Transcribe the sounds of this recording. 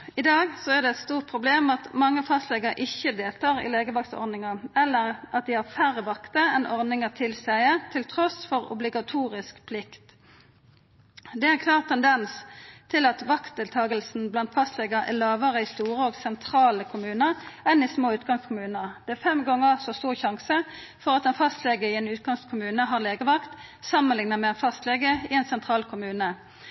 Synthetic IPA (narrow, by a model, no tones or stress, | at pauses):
ɪd̪ɑːɡsɔæʁd̪ɛɛt̪st̪uːʁt̪̚pʰʁʊbleːmɑt̪mɑŋːəfɑst̪lɛɡəʁəʔɪçːəd̪eːlt̪ʰɑːʁɪ̰leːɡəʋɑkt̪ɔ̰ʁnɪŋɑɛlːəʁʔɑt̪̚d̪ɪhɑfæɾəʋɑkt̪əɛnʔɔʁnɪŋət̪ʰɪlsæɪət̪ʰɪlt̪ʰʁɔsfɔʁʊ̰blɪɡɑt̪ʰuːʁɪskpʰlɪkt̪ | d̪ɛæʁkʰlɑːʁt̪ʰːɛnd̪ɛnst̪ʰɪlɑt̪ʋɑkt̪̚d̪ɪːlt̪ʰɑːɡəlsn̩blɑnt̪fɑst̪leːɡəʔæ̰ʁlɑːʋəʁəist̪uːʁəoːɡsɛnt̪ʰʁɑːləkʰʊmʉːnəʁɛnɪsmoːʉːt̪ɡɑŋskʰʊmʉːnəd̪ɛæɾfɛmɡɑŋːəsɔst̪uːʁçɑŋsə | fɔʁɑt̪ɛnfɑst̪leːɡəiɛːnʉːt̪̚ɡɑŋskʰʊmʉːnəɦɑʁleːɡəʋɑkt̪sɑmənlɪŋnəmɛɛnfɑst̪leːɡəɪɛnsɛnt̪ʰʁɑːlkʰʊmʉːnə